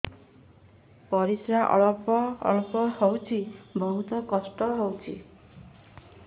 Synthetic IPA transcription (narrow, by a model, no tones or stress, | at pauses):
pɔɾisɾaʔɔ̰ɭɔpɔ̰ːɭɔpɔhɔwt͡ʃʰibʱɔɦut̪ɔkɔsʈɔɦɔwt͡ʃʰḭ